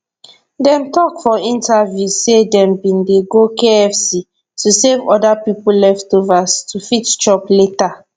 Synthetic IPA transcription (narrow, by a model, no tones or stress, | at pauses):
dɛ̃mtɔkfɔĩntʰavjuzsedɛ̃mbĩndeɡokeɛfsi | tusevɔdapipullɛftovastʰufitt͡ʃɔpleta